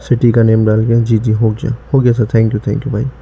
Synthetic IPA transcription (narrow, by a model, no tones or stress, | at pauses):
sɪʈikaneːmɖaːlɡjad͡ʒiːd͡ʒiːɦoːɡia̰hoːɡijasəɾt̪ʰɛ̃ŋkjut̪ʰɛ̰̃ŋkjubʱaːi